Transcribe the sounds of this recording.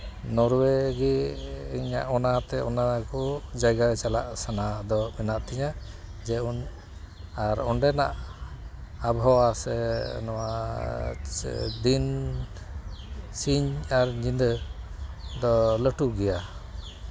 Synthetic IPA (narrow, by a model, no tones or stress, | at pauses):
nɔɾwɛɡɛiɲa̰ʔɔnat̪ɛɔnakɔd͡ʒajɡat͡ʃala̰ʔsanad̪ɔmɛnaʔt̪ʰiɲa | d͡ʒɛun | aɾɔɳɖɛna̰ʔ | abʱawasɛnɔwa | d̪in | siɲaɾɲind̪ə | d̪ɔləʈuɡɛja